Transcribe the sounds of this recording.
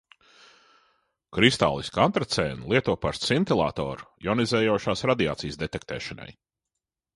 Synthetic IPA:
kɾist̪a̰ːlˠiskant̪ɾat̪sɛːnlˠiɛt̪uɔpaɾt̪sint̪ilˠa̰ːt̪ɔ̰ːɾjɔnizɛːjɔʃaːsɾad̪ia̰ːt̪sijsd̪et̪ɛk̚t̪ɛːʃana̰j

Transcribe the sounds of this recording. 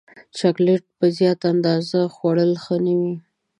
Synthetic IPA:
t͡ʃɑkleʈ̚pəzjɑt̪and̪ɑzaxwaɽəlxənəwi

